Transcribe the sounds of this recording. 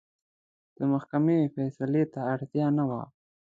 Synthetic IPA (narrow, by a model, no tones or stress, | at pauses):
d̪̥əmahkamefɛsalet̪aːɽt̪jɑnawa̰